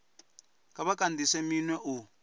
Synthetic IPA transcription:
kʼaβakandisɛminwɛʔu

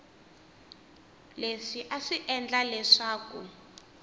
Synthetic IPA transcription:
leʂiʔaʂiʔɛnd͡ɮalɛʂaːku

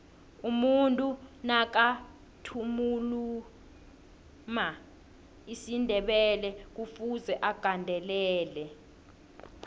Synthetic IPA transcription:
umuntʼunak̬a | tʰumulu | ma | isindʱɛɓɛlɛk̬ufuzɛʔaɡ̥ʱandʱɛlɛːlɛ

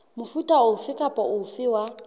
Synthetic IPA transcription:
mʊfutʼaʊfɪkʼapʼɔʊfɪːwa

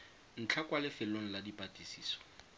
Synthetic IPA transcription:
n̩t͡ɬʰakʼwalɪfɪloŋ̩ladipʼatʼisiːsɔ̥

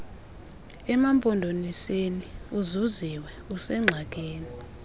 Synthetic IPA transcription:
ɛmampʼɔndʱoniseniuzuziwɛ | usɛŋ͡ǁʱak̬ʼeːni

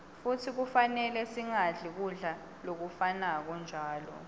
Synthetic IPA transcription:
futʰik̬ufanɛlɛsiŋaɮik̬uɮa | lok̬ufanak̬ɔnd͡ʒʱaːlɔ̰

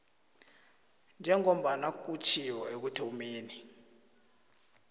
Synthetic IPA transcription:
nd͡ʒʱɛŋom̩ɓanak̬ʼut͡ʃʰijɔek̬utʰimeːni

